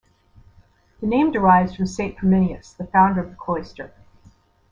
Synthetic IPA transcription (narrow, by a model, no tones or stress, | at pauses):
ðɨnẽɪ̃mdə˞aɪvzd̥fɹʌ̃msẽɪ̃npʰəmɪ̃niɨ̰sðəfãʊ̃ndə˞ʌvðəkʰl̥ɔɪstə̰˞